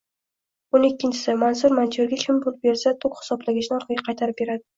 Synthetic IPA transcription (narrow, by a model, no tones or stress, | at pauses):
onekʲːɪnt͡ʃʰɪ̥sɪmans̬ʊɾmant͡ʃʰeɾɡʲakʲʰɪmbʊlˠbeɾsat̪ʰʊkʲχɪ̥sɒblaɡʲɪt͡ʃnɪɒɾqʰɑɡʲaqʰɑjt̪ʰaɾɪp̚be̞ɾad̪ɪ